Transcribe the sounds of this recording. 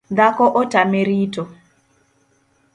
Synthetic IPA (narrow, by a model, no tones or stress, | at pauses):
dakɔʔɔtameɾito